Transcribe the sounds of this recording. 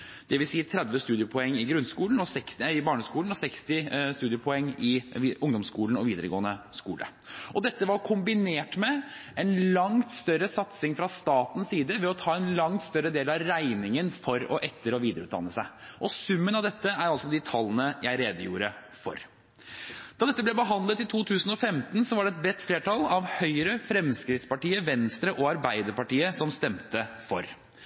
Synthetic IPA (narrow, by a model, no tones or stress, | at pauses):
d̪̥ɛʋɪlsiːət̪ʰɾɛd̪ʋəst̪ʉːd̪ɪəpʰɔɛŋːɪɡɾʉnskuːln̩ɔsɛksæɪbɑːɳəskuːln̩ɔsɛkst̪ɪst̪ʉːd̪ɪəpʰɔɛŋːɪʊŋd̪ɔmskuːln̩ɔʋiːd̪əɾəɡo̰ːənəskuːlə̰ | ʔɔd̪ɛt̪ːəʋɑɾkʰʊmbɪneːʈmɛɛnlɑŋt̪st̪œɾːəsɑt̪sɪŋfɾɑst̪ɑːt̪n̩ssiːd̪əʋɛɔt̪ʰɑːɛnlɑŋt̪st̪œɾːəd̪eːlɑʋɾæɪnɪŋənfɔɾɔʔɛt̪ʰːəɾɔʋiːd̪əɾʉ̰ːd̪ɑ̰nːəsæɪʔɔsʉmːənɑʋd̪ɛt̪ːəæɾɑlsɔd̪ɪt̪ʰɑlːənəjæɪɾeːd̪əjṵːɾə̰ | fɔ̰ɾ | d̪̥ɑːd̪ɛt̪ːəblɛbəɦɑnd̪lət̪ːɪt̪ʰuːt̪ʰʉːsn̩ɔfɛmt̪n̩sɔʋɑɖɛɛt̪̚bɾɛt̪ːfleːʈʰɑlɑʋhœʏɾəfɾɛmskɾɪt̪spɑʈiːəʋɛnst̪ɾəʔɔɑɾbæɪd̪əɾpɑʈiːəsɔmst̪ɛmt̪əfɔ̰ɾ